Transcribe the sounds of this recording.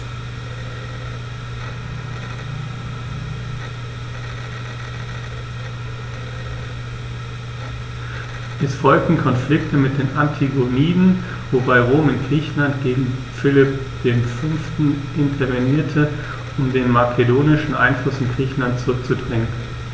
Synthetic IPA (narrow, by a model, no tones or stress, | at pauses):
ʔɛsfɔlk̚tn̩kʰɔnflɪktəmɪt̚d̥eːnʔantʰiɡoniːdn̩ | vobaɪʁoːmɪntɡ̥ʁiːçn̩lant̚ɡ̥eːɡŋ̩fɪlɪp | d̥eːnfʏnftn̩ʔɪntʰɐveniːɐtʰə | ʔʊmdeːnmakʰedoːnɪʃn̩ʔa̰ɪnflʊsɪnɡʁiːçn̩lantt͡suʁʏk̚t͡sudʁɪŋən